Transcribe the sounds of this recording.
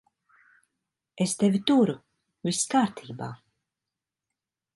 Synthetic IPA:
est̪ɛvʲit̪uɾu | vʲiskaːɾt̪ʰiːba̰ː

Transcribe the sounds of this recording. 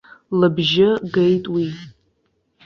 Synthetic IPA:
lɨbʒɪɡejtʼwi

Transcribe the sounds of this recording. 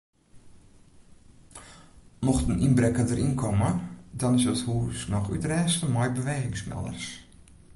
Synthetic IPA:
mɔxtəninbrɛkəndəɾinkʰɔmədɔnɪsəthuːsnɔxytrɛːstəmɔjbəʋeːɣɪŋsmɛ̰lˠə̰rs

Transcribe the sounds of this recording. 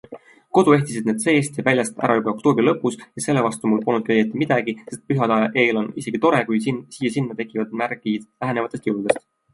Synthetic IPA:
ko̞d̪̥ue̞ht̪isid̪̥̚ned̪se̞ːst̪jɑvælʲjɑst̪æ̰ɾʔɑjubɑo̞k̚t̪o̞ːbrilɤpːˑusjɑse̞lːevɑst̪umulpolnːut̪kejet̪ːˑimid̪̥ɑɡ̥ise̞st̪̚pyɦɑd̪ɑʔeːlo̞nise̞ɡ̥it̪o̞ɾe̞kujsiːjɑsinːɑt̪e̞kːˑivɑd̪mæɾɡi̥læɦenevɑt̪ːˑet̪jiuwud̪̥e̞st̪

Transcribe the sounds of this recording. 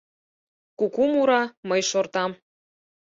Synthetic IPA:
kukumuɾɑmɤjʃort̪ɑm

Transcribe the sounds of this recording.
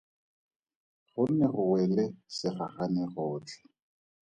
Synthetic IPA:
χʊnɛχʊwɛlɛsɪχaχanɛχɔːt͡ɬʰɛ̥

